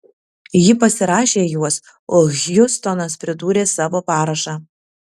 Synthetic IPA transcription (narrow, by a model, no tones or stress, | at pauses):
jɪpɐsʲɪɾɑːʃʲeːjuɔs | oːɣʲjʊst̪ɔnɐspʲɾʲɪd̪uːɾʲeːsɑːʋoːpɑːɾɐʃɑ